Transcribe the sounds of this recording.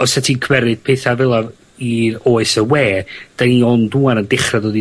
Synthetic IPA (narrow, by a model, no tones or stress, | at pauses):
ɔsɛtʰikʰwɛɾɨd̥̚pʰeːθavɪlˠav | iroːɨsəweːd̥aniɔnduːanəndɪχraðoːdi